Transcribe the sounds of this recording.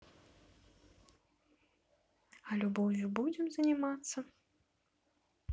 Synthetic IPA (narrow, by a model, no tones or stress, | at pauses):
ɐlʲubɔvʲubud͡zʲɪmzɐnʲimat̪sːɐ